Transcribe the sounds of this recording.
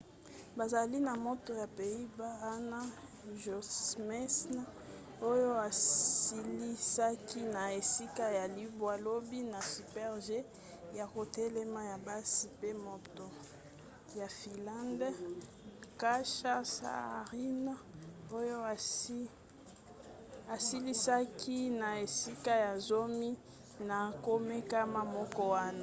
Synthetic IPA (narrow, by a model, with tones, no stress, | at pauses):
ba˨za˨li˦na˨mo˦to˨ja˨pe˨i˦ba˦a˦na˦ | ʒo˨mɛ˦sna˦ | o˦jo˦a˨si˨li˦sa˦ki˦na˨e˨si˦ka˦ja˨li˨bwa˨lo˦bi˦na˨sy˨pɛ˦ʁʒe˦ | ja˨ko˨tɛ˦lɛ˦ma˦ja˨ba˦si˨pe˦mo˨to˨ | ja˨fi˨lã˦nd | ka˦ʃa˦sa̰˦˨ʁi˦na˦o˦jo˦˨˦ | a˨si˦li˦sa˦kʰi˦na˨e˨si˦ka˦ja˨zo˦mi˦ | na˨ko˦me˦ka˦ma˦mɔ˦kɔ˦wa˦na˨